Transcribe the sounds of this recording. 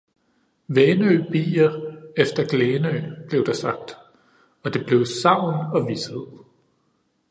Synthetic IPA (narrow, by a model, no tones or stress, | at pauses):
ʋeːnøb̥ḭːɐefd̥ɐɡ̥leːnøb̥le̝ʊd̥ɑ̈sɑ̈ɡ̥̚d̥ | ɒ̽d̥e̝b̥le̝ʊsɑ̈ʊ̰nɒ̽ʋisheð̰ˠ